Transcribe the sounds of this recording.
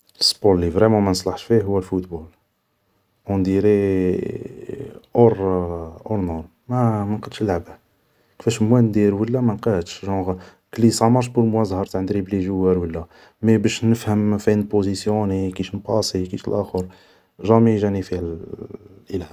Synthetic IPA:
ləsboɾllivɾɛmɑ̃mænəsˤlɑħʃfiɦʊwːælfut̪bul | ʔund̪iɾi | ʔoɾʔoɾnuɾ | mæmænqɑd̪ʃlʕbæ | kfæʃmwænd̪iɾwəlːæmænqɑt̪ʃʒɑ̃ʁ | klisˤɑmɑɾˤʃbulmwæzˤhɑɾˤt̪ʕənd̪ɾibliʒuwːæɾwəlːæ | mæbæʃnəfhəmfænpozisjonikiʃnpɑsˤikiʃəlʔæxəɾ | ʒɑmiʒænifihæl | ʔilhæ

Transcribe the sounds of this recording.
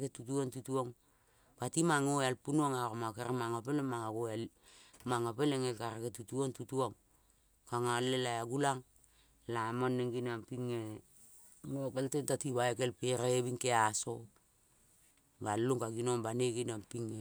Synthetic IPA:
ketutuontutuoŋ | patimaŋoalpunuaŋaɾomakeɾemaŋopelemaŋaɡoal | maŋapeleŋekaɾaketutuoŋtutuoŋ | kaŋalelajaɡulaŋ | lamonːeŋɡinampiŋe | ŋokeltentatiβaekelpeɾeeβiŋkeaso | balːuŋkaɡinoŋbaneɡinampiŋe

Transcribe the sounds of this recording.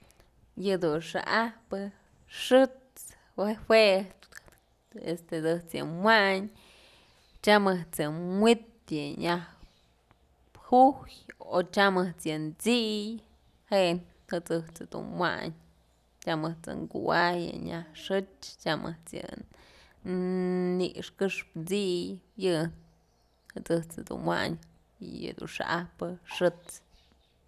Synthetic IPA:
jɨd̪unʂɨ̰ʔahpɨ | ʂɨt͡s | wewe | est̪et͡sɨht͡sjɨ̰mwaɲ | t͡ʃamɨt͡sɨmwit̪jɨɲah | hujot͡ʃamɨht͡sjɨnt͡sij | heʔn | hɨt͡sɨht͡sɨd̪ṵnwa̰ɲ | t͡ʃamɨht͡sɨ̰ŋɡuwajɨ̰ɲahʂɨt͡ʃt͡ʃamʔɨht͡sjɨ̰n | nḭʔʂkɨʂpt͡sijjɨn | hɨt͡sɨht͡sɨd̪ṵnwa̰ɲ | jɨ̰d̪ṵnʂa̰ʔahpɨʂɨt͡s

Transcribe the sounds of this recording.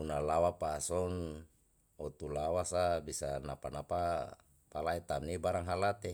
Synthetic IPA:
unalawapaːsɔn | ɔt̪ulawasabisanapanapa | palait̪amnibaɾaŋɦalat̪e

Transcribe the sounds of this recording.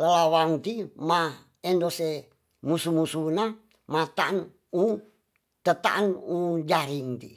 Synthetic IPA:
ləlawaŋt̪ima | endose | musumusuna | mat̪an | u | t̪ət̪a̰ʔnud͡ʒaɾiŋt̪ḭ

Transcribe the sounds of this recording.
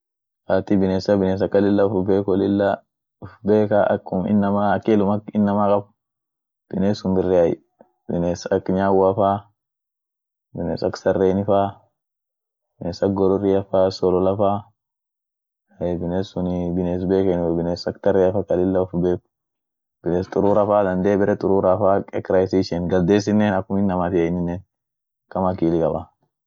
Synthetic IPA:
ʔaːt̪ibɪneːsɐbɪneːs̬ɐkːɐlɪlːɐʊfbeːkɔlɪlːɐ | ʊfbeːkaʔkːʊmɪ̰nːɐmaɐkːelʊmɐkɪnːɐmakʼɐb | b̥ɪneːsʊmbɪrːɛɐj̰ | bɪneːsɐkɲaːwafaː | bɪnḛːsɐksɐrːeːnɪfaː | bɪneːsɐkɡɔɾɔɾɪɐfaːsɔlɔlɐfaː | ɐbɪneːsʊnɪbɪneːs̬beːkɐnbɪneːsɐkt̪ɐrːɛɐfakɐlɪlːɐɔfbeːk | b̥ɪneːst̪ʼʊɾuːɾɐfaːd̪ɐnd̪eːbɪɾɛt̪ʼʊɾuːɾafaːkʼɛkɾɐjs̬iʃɛnɡɐld̪eːs̬ɪnːeːnɐkːʊmɪnːɐmat̪ɪɐnɪnːeːn | kɐmɐkiːlɪkʼɐba

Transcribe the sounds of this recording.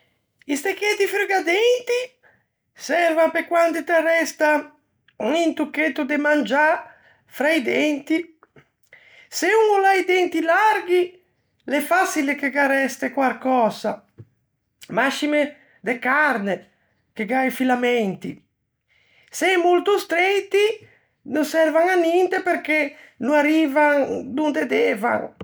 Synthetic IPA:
ist̪ekːet̪ifɾeɡad̪ɛnt̪i | sɛɾvapekwand̪it̪erɛst̪a | int̪ukːet̪ːud̪emand͡ʒa | fɾajd̪ɛnt̪i | seuŋulajd̪ɛnt̪ilaɾɡi | lɛfasilekeɡaɾɛst̪ekwalkɔza | maʃime | d̪ekaɾne | keɡajfilamɛnt̪ḭ | sɛjmult̪ust̪ɾɛt̪i | nosɛɾvaŋanint̪epeɾke | nuaɾiːvaŋd̪und̪ed̪ɛva̰ŋ

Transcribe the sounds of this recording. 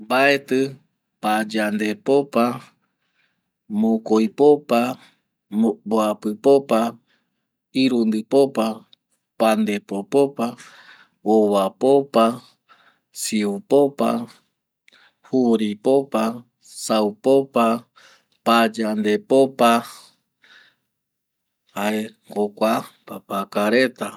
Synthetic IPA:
baet̪ɨ | pad͡ʒand̪epopa | mokojpopa | boapɨpopa | iɾund̪ɨpopa | pand̪epopopa | owapopa | siupopa̰ | huɾipopa | sawpopa | pad͡ʒand̪epopa | hae | kokʷapapakaɾet̪a

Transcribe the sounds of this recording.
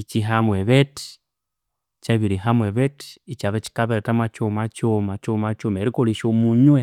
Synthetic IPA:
it͡ʃiɦamweβeti̥ | t͡ʃaβiɾiɦamweβeti̥it͡ʃaβeci̥kaβeɾetamat͡ʃomat͡ʃomat͡ʃomat͡ʃomeɾikoliʃomuɲwe

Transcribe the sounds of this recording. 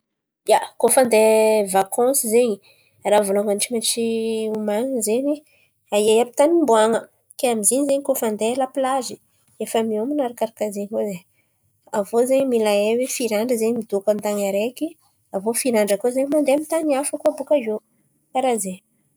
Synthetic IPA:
jakofand̪evakʰɔ̃sizeɲi | ravoloŋant͡ʃimaʈ͡ʂiumaŋəzeɲi | aiajapi̥t̪animbuaŋə | keamizeɲzeɲikofand̪elapilazi | efəmiominaɾakaɾakazeɲikoze | avozeɲmilaewefiɾaɳɖ͡ʐəzeɲimid̪okant̪aŋaɾeki | avofiɾaɳɖ͡ʐəkozeɲimand̪eamit̪anafəkuabukaze | kaɾaze

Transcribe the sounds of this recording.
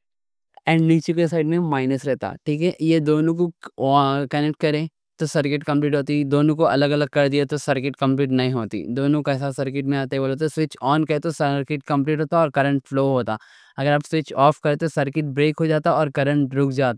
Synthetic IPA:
ɛ̃ːɳɖniːt͡ʃekesaːɪɖmẽmaːɪnəsɾɛɦt̪a̰ːʈʰiːkɛjed̪oːnõko | kɐnɛk̚ʈ̚kɐɾẽː | t̪osɐɾkɪʈkɐ̃mpliːʈɦoːt̪id̪oːnõkoɐ̰ləɡɐləɡ̚kɐɾd̪iat̪osɐɾkɪʈkɐ̃mpliːʈnɐɦĩɦoːt̪ḭd̪oːnõkas̬asɐɾkɪʈmẽaːt̪eɛoːlot̪̬oswɪt͡ʃɔːnkɐẽt̪osɐɾkɪʈ̚kɐ̃mp̬liːʈɦoːt̪aɔːɾkɐɾə̃ɳʈ̚floːɦoːt̪aː | ɐɡəɾaːbswɪt͡ʃɔːfkɐɾẽt̪osɐɾkɪʈ̚bɾeːkɦod͡ʒaːt̪aɔːɾkɐɾə̃ɳʈɾʊkʰd͡ʒaːt̪

